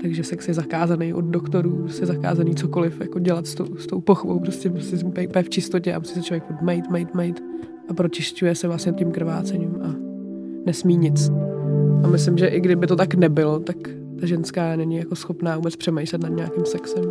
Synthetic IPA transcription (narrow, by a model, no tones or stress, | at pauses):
t̪aɡʒɛfsɛksjɛzakaːzanejʔod̪̚dokt̪o̞ɾuːpɾosɛzaka̰ːzaniːt͡so̞kolɪfjako̞ɟɛlat̪st̪owst̪owpoxbowpɾoscɛpɾoscɛsupɛjpɛjɛft͡ʃɪst̪ocɛʔa̰musisɛt͡ʃʰlovjɛkpot̪mɛjt̪mɛjt̪mɛjt̪ | ʔapɾo̞t͡ʃɪscujɛsɛvlastɲɛt̪̚cɪmkɾ̩va̰ːt͡sɛɲimʔa | nɛsmiːɲɪt͡s | ʔamɪslɪmʒɛʔɪɡdɪbɪt̪o̞t̪aknɛbɪlot̪ak | t̪aʒɛnskaːnɛɲɪjako̞sxo̞pnaːvuːbɛt͡spr̥ɛmɛjʃlɛt̪nad̪ɲaːkɪmsɛksɛm